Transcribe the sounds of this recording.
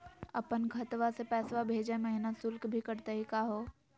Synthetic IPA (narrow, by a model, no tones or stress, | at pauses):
ɐ̰pənkʰɐt̪ʋasepɛːsʋabʱeːd͡ʒamɐɦɪnasʊlkbʱikɐɾt̪aɦikaːɦoː